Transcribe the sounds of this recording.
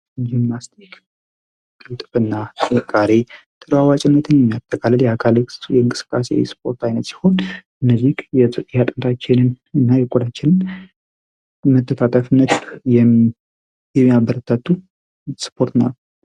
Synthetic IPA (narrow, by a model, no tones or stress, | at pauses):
d͡ʒimːast̪ʰik | kʼɨlt̪ʼβɨnːaəkʼːaɾe | t̪ʼɨɾwawat͡ʃʼɪnːət̪ʰɨnjɛmːijat̪ʰʼːəkʰʼalːəljɛakʰaljɛɨŋkʼɨsɨ̥kʼːasḛwspʰo̞ɾt̪ʰajnət̪si̥ho̞nʔɨnːəziɡjɛt̪ʼɨjat̪ʼɨnt̪ʰʼat͡ʃːɪnɨn | ɨnːajɛkʼod̪at͡ʃːɪnɨn | mət̪ʰːət̪ʰat̪ʼəfɨnːət̪jɛ | jɛmːiabəɾət̪ʰːat̪ʰːu | spʰo̞ɾt̪na̰ː